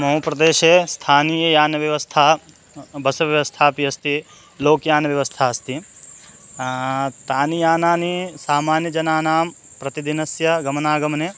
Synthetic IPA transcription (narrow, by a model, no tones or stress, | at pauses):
mɐɦuːpɾɐd̪eːʃeːst̪ʰaːniːjɐjaːnɐʋjɐʋɐst̪ʰaː | bɐsɐʋjɐʋɐst̪ʰaːpiɐst̪i | loːkjaːnɐʋjɐʋɐst̪ʰaːɐst̪i | t̪aːnijaːnaːnisaːmaːnjɐd͡ʒɐnaːnaːm | pɾɐt̪id̪inɐsjɐɡɐmɐnaːɡɐmɐneː